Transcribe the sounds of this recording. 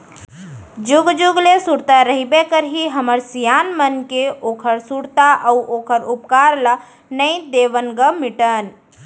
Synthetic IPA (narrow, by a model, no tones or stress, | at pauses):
d͡ʒuɡd͡ʒuɡlesuɽt̪aɾəɦibekəɾɦiɦəməɾsijaːnmənkeoːkʰəɾsuɽt̪aʔəuʔoːkʰəɾʊpkaɾla | nəĩd̪eːʋənɡəmɪʈən